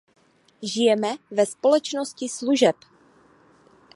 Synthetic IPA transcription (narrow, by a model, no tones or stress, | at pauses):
ʒɪjɛmɛvɛspolɛt͡ʃnoscɪsluʒɛp